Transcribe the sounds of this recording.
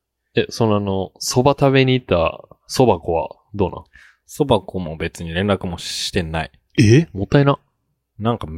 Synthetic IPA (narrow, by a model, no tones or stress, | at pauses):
eso̞noano̞so̞bat̪aβe̞ɲ̟iːt̪ːa̰so̞bako̞βa̰ | d̪o̞ːnã̰ | so̞bakomo̞be̞t͡sɨɲ̟iɾẽ̞nɾakɯ̟mo̞ɕi̥t̪ẽ̞na̰ḭ | emot̪ːaina | nãŋkam